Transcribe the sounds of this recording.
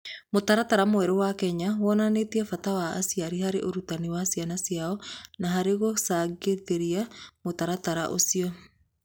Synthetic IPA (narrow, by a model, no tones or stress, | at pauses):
motaɾataɾamoɛɾowakɛɲawɔnanetiɛfatawa̰ːsiaɾihaɾeʔoɾutaniwasianasiaɔnaɦaɾeɣosaɡeteɾiamotaɾataɾa̰ʔo̰siɔ